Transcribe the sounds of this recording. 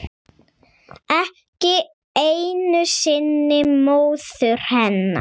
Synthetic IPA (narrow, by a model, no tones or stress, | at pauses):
ɛh | cɪ | ejnʏsɪnːɪmoːwθʏɾ̥hɛnːa̰